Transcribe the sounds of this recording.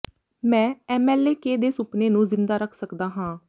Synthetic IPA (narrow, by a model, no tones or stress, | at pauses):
mɛ̃ːɛːmɛːleːkeːd̪eːsʊpneːnũːzɪnd̪aːɾəkʰsəkd̪aːɦãː